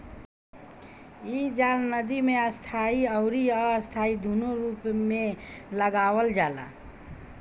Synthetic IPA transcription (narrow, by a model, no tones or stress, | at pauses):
id͡ʒaːlnəd̪imeəst̪ʰaiəʊɾiəəst̪ʰaid̪unoɾuːpmeləɡawəld͡ʒaːla̰